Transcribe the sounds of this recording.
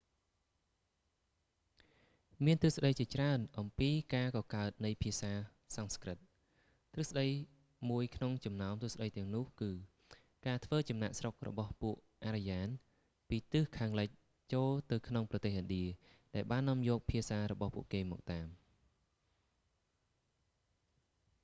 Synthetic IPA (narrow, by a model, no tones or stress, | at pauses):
miənt̪ɨsɗəjt͡ɕiət͡ɕraənʔɑmpiːkaːkɑːkaət̪̚nɨjpʰiəsaː | sɑnskrɨt̪̚ | t̪rɨhsɗəj | muəjkʰnoŋt͡ɕɑmnaɔmt̪ɨəsɗəjt̪ɛ̆əŋnʊ̆əhkɨː | kaːt̪ʰʋəːt͡ɕɑmnaʔsrok̚rɔ̰ɓɑhpuəʔ | ʔaːɾijaːn | piːt̪ɨhkʰaːŋləc̚ | t͡ɕoːlt̪ɨwkʰnoŋprɑt̪eːhʔənɗiəɗaɛlɓaːnːɔ̆əmjɔːk̚pʰiəsaːɾɔɓɑhpṵəʔkeːmɔ̰ːk̚t̪aːm